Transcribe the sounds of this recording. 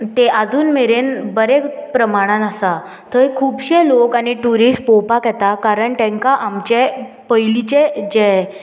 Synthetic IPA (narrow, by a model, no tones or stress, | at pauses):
t̪eʔad͡zuːnmeɾenbəɾekpɾəmaɽ̃ãnasa | t̪ʰəjkʰuːbɕelokañiʈuɾisʈpɔwpakjɛt̪akaɾəɳt̪ɛ̃ŋkaʔamt͡ɕe | pəjlit͡ɕed͡ʑɛ